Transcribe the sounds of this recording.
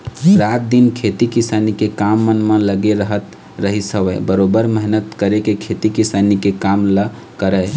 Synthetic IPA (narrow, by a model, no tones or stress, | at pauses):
ɾat̪̚d̪inkʰet̪ikisanikekamːənmələɡeɾəɦət̪ | ɾəɦisəwəɪbəɾobəɾməɦnət̪kəɾekekʰet̪ikisanikekamlə | kəɾəj